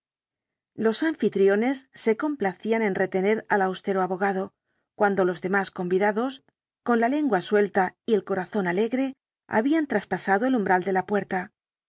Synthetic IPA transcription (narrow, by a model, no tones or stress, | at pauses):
lo̞saɱfit̪ɾjo̞ne̞sːe̞ko̞mplaθiane̞nre̞t̪e̞ne̞ɾalawst̪e̞ɾoaβo̞ɣ̞aðo̞ | kwand̪o̞lo̞zðe̞masko̞mbiðaðo̞s | ko̞nlale̞ŋɡwaswe̞lt̪aie̞lko̞ɾaθo̞nale̞ɣɾe̞ | a̰βiant̪ɾaspasaðo̞elumbɾald̪e̞lapwe̞ɾt̪a